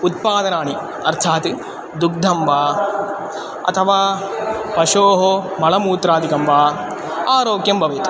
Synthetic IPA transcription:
ut̪̚paːd̪ɐnaːɳi | ɐ̰ɾt̪ʰaːt̪i | d̪uk̚d̪ʱɐmbaː | ɐ̰t̪ʰɐʋaːpɐʃoːɦomɐɭɐmuːt̪ɾaːd̪ikɐmbaː | aːɾoːkjɐmbʱɐʋeːt̪u̥

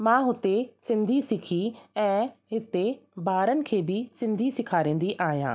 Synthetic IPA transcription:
mãːɦʊt̪esɪ̃nd̪ʱisɪkʰiɛ̃ːɦɪt̪ebʱaːɾənɪ̆kʰeːbɪsɪ̃nd̪ʱisɪkʰaːɾẽːn̆d̪iʔaːɦjã̰ː

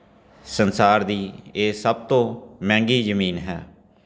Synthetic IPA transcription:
sənsaːɾd̪iːeːsəb̚t̪õːmɛ̃ːŋɡiːzəmiːnɦɛ̰ː

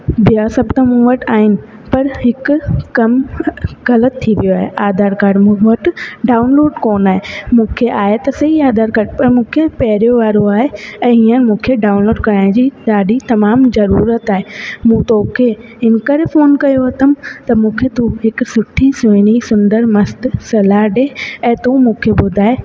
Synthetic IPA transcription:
bijasɐbt̪ɐmũːʋɐʈaːɦɪnɪ̆pɐɾɦɪkkɐmɣɐlət̪ʰːiʋijoaːɦḛʔaːd̪ʱaːɾkaːɖmũːʋɐʈɖaːʊnloːɖkoːnaːɦemũːkʰeʔaːɦet̪ɐsɐɦiaːd̪aːɾkaːɖpɐɾmũːkʰepɐɦɪɾijoʋaːɾoaːɦeɛ̃ːɦiːənmũːkʰeɖaːʊnloːɖkɐɾaːɪ̃d͡ʑiːɗ̪aːɗit̪ɐmaːmzɐɾuːɾət̪aːɦemũt̪oːkʰe | ɪnkəɾefoːnkɐjoɦɐt̪əmt̪ɐmũːkʰet̪ũɦɪksʊʈʰisʋeːɽ̃isʊ̃nɖ̪əɾmɐst̪sɐlaːɖeɛ̃ːt̪ũmũːkʰebʊd̪ʱaːɦe

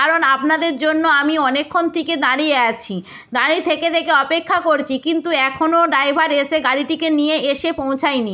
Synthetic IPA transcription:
kaɾonapnad̪eɾd͡ʑonːoamiɔnekʰːont̪iked̪aɽiɛat͡ɕʰi | d̪aɽit̪ʰeket̪ʰekeɔpekʰːakoɾt͡ɕʰikint̪uɛkʰonoɖajbʱaɾeʃeɡaɽiʈikenijeeʃepõw̃t͡ɕʰajni

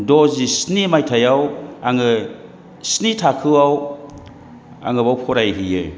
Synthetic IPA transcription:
dɔzisnimajtʰajawaŋɯ | snitʰakʰɯwaw | a̰ŋɯbawpʰɔɾajɦijɯ

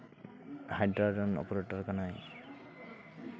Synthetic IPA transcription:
hajdɹadɔnɔ̰pɔɹetɔɹkanaj

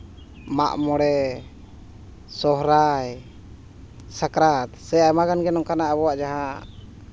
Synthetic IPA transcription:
ma̰ʔmɔɽɛ | sɔɦɾaj | sakɾat̪sɛajmaɡanɡɛnɔŋkanaʔəβɔwaʔd͡ʒaɦa

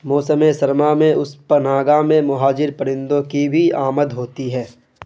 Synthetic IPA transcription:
moːsəmesəɾmamẽʊspənaːɡamẽmʊɦaːd͡ʒɪɾpəɾɪ̃nd̪õkibʱiaːməd̪ɦoːt̪iɦɛː

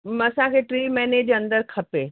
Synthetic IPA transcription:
ɐsãkʰeːʈɾiːmɛːneːd͡ʑɐ̃nd̪əɾkʰɐpeː

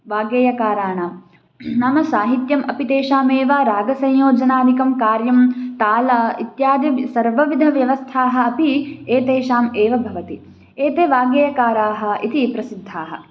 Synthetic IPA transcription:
ʋaːɡjeːjɐkaːɾaːɳaːm | nɐmɐsaːɦit̪jɐmʔɐpit̪eːʃaːmeːʋaːɾaːɡɐsɐ̃jjoːd͡ʒɐnaːd̪ikɐmkaːɾjɐmt̪aːlɐit̪jaːd̪jɐsɐɾʋɐʋid̪ʱɐʋjɐʋɐst̪ʰaːɦɐ̆ɐpieːt̪eːʃaːmeːʋɐbʱɐʋɐt̪i | eːt̪eːʋaːɡjeːjɐkaːɾaːɦɐ̆it̪ipɾɐsid̪ʱːaːɦɐ̰̆

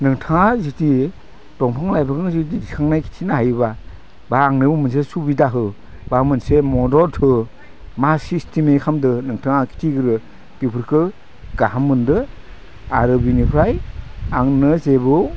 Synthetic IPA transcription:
nɯŋtʰaŋaziti | tɔŋpʰaŋlajbakɯŋzitidikʰaŋnajkʰi̥tʰinaɦajβa | baːŋnɯbumɯns̬esubidaɦɯ | bamɯnsemɔdɔltʰɯ | masistʰimekʰamdɯnɯŋtʰaŋakʰi̥tʰiɡɯɾɯ | kipʰɯɾkʰɯ | ɡ̥aɦamɯndɯ | aɾɯbinipʰɾajaŋnɯzebɯ

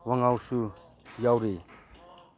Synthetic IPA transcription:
waŋawsu | jawɾi

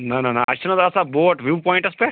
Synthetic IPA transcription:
nɐnɐnɐʔɐ̰t͡ʃʰɐnɐd̪asaboːʈʋjuːpɔːjɳʈɐspe

